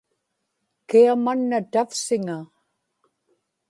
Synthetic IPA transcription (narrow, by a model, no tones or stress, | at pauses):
kiamanːat̪afsɪŋa